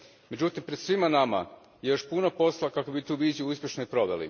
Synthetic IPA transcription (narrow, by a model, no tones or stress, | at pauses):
me̞d͡ʑut̪impɾe̞d̪̥sʋimanama̰ | jejo̞ʃpunopo̞slˠakako̞bit̪uːʋizjiuuspʲje̞ʃnojpɾo̞ʋelḭ